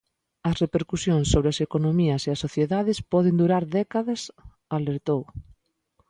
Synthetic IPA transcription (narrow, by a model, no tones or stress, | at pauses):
ɐsrepeɾkusjõŋsːoβɾeɐsekonomiɐseɐsːoθjeðaðɪspɔðɪnd̪uɾaɾðɛkaðɐs | aleɾt̪ow